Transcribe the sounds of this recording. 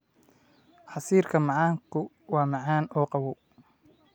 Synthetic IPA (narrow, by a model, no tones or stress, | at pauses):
ħɑsiːrkʰɐmɑʕɑːŋkʰʊ | wɑːmɑʕɑːnɔːqɑwɔ